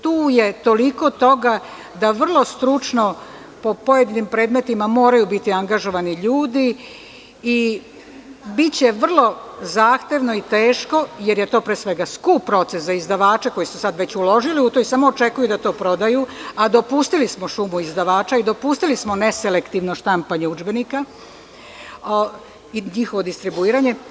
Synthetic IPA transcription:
t̪uːje̞t̪o̞liko̞t̪o̞ɡa | d̪aʋr̩lˠo̞st̪ɾut͡ʂno̞ | po̞po̞je̞d̪inimpɾe̞ːd̪me̞t̪imamo̞ːɾajubit̪iaŋɡaʒo̞ʋaniʎuːd̪i | i | bit͡ɕe̞ʋr̩lˠo̞zaːxt̪e̞ʋnoit̪eːʃko̞je̞ɾje̞t̪oːpɾeːsʋe̞ɡaskupːɾo̞t̪se̞szaizd̪aʋaːt͡ʃeko̞jisusad̪ʋe̞t͡ɕulo̞ʒiliut̪oisamoːt͡ʃe̞kujud̪at̪o̞ːpɾo̞d̪ajuad̪o̞puːst̪ilismoʃumuizd̪aʋaːt͡ʃaid̪o̞puːst̪ilismo̞ne̞sele̞kt̪iʋno̞ʃt̪ampaɲeud͡ʒbe̞nika | iɲixo̞ʋo̞d̪ist̪ɾibuiːɾaɲe̞

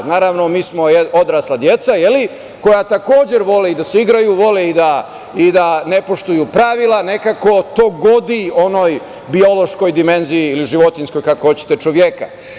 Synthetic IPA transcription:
naːɾaʋno̞miːsmo̞eo̞d̪ɾaːslˠad̪je̞t̪sajeli | ko̞jat̪ako̞ːd͡ʑeɾʋo̞leid̪aseiɡɾajuʋo̞leid̪a | id̪ane̞po̞ʃt̪ujupɾaʋilˠane̞kako̞t̪oːɡo̞d̪io̞no̞j | bio̞lo̞ʃko̞jd̪ime̞nzijiːliʒiʋo̞t̪insko̞jkakohot͡ɕe̥t̪e̞t͡ʃoʋjeka̰

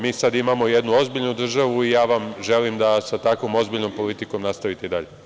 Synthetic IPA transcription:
miːsad̪imamo̞jed̪nuo̞zbiʎnud̪r̩ʒaʋuijaːʋamʒe̞limd̪asat̪akʋomo̞zbiʎno̞mpo̞lit̪iko̞mnast̪aʋit̪eid̪aʎe

